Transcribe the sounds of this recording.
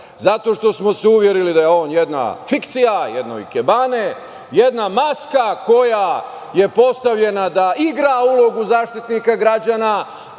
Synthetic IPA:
zat̪o̞ːʃt̪o̞smo̞seuʋje̞ɾilid̪ajeo̞ːnjed̪na̰fikt̪sijajed̪no̰ḭkebane | je̞d̪namaskako̞ja | je̞po̞st̪aʋʎe̞nad̪aiɡɾaulˠo̞ɡuzaːʃt̪it̪nikaɡɾad͡ʒaːna

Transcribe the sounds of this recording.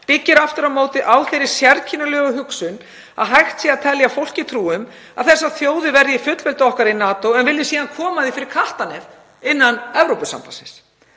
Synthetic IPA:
pɪcːɪɾaft̪ʏɾamoːwt̪ɪʔawθejɾɪɾ̥sjɛɾt̪cʰɪnalœːɣʏɦʏksʏn | a̰ðɦajxt̪sɛat̪ʰɛlːjafowl̥cɪt̪ʰɾuːʏm | aðθɛsːaθjoːwðʏvɛɾðɪfʏt̪lvɛlt̪ɔhkaɾinaːt̪owɛnvɪlðɪsiːðankʰɔːmaðɪfɪɾɪɾ̥kʰaht̪anɛf | ɪnːanɛvɾowpʏsa̰mpa̰sɪns

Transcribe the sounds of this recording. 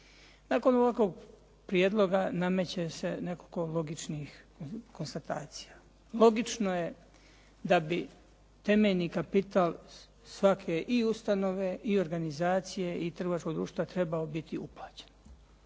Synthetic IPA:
naːko̞noʋako̞ɡ̚ | pɾijed̪lˠo̞ɡaname̞t͡ɕese̞ne̞koko̞lo̞ɡit͡ʃnixko̞nst̪at̪a̰ːt̪si̥ja | lˠo̞ɡit͡ʃno̞je̞ | d̪abi | t̪e̞meʎnikapit̪aːl | sʋakʰe̞ʔiust̪ano̞ʋe̞ʔio̞ɾɡanizaːt̪sije̞ʔit̪r̩ɡako̞ɡd̪ɾuːʃt̪ʋat̪ɾe̞baobit̪iuplˠaːt͡ɕe̥n

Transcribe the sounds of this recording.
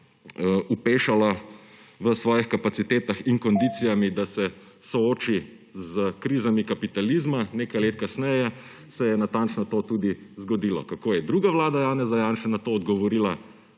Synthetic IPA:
upeːʃala | ʋəsʋɔːjixkapat̪sit̪eːt̪axiŋkɔnd̪it̪sijamid̪asɛ | sɔoːt͡ʃi | zəkɾiːzamikapit̪alizmaneːkajleːt̪kasnɛjɛ | sɛjɛnat̪ant͡ʃnɔt̪oːt̪ud̪izɡɔd̪ilɔkakoːjɛd̪ɾuːɡaʋlaːd̪ajaːnɛzajaːnʃɛnat̪oːd̪ɡɔʋɔɾiːla

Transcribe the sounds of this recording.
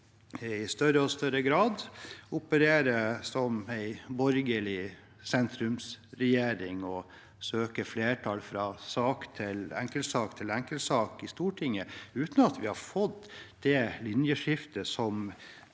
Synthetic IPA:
ɪst̪œɾəɔst̪œɾəɡɾɑːd̪ʊpəɾeːɾəsɔmæɪbɔɾɡəlɪ | sɛnt̪ɾʉmsɾɛjeːɾɪŋɔ | søːkəfleːʈʰɑlfɾɑsɑːkt̪ʰɪlæ̰ŋkəlsɑːkt̪ʰɪlɛŋkəlsɑːkɪst̪uːʈʰɪŋːəʉːt̪n̩ɑt̪ʋɪhɑɾfɔd̪d̪̥ɛlʏnjəʂɪft̪əsɔm

